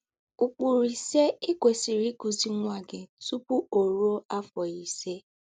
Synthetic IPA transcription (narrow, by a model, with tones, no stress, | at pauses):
u˨k͡pu˨ɾi˨se˦ɪ˦kʷe˨si˨ɾi˦ku˨zi˨ŋʷa˨ɡe˨tu˦pu˦o˨ɾu˦o˦a˦fɔ˨i˨se˦